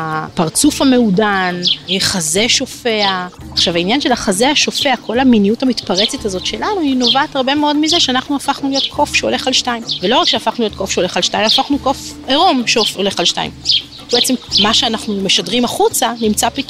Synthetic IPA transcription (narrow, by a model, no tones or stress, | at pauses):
apaʁt͡sufame̞udaneχaze̞ʃo̞fe̞aː | χʃavainjanʃe̞laχazeaʃo̞fe̞akʰo̞laminiutamitpaʁe̞t͡setazo̞tʃe̞lanuino̞vaːtaʁbe̞meo̞dmizeʃeanaχnuafaχnulijo̞tkʰo̞fʃeo̞le̞χalʃtaimvelo̞ʁakʃeafaχnulijo̞t̚kʰo̞fʃeo̞le̞χalʃtaimafaχnuko̞f | eʁo̞mʃeofo̞le̞χalʃta̰ḭm | beet͡semmaʃeanaχnume̞ʃadʁimaχut͡sanimt͡sapit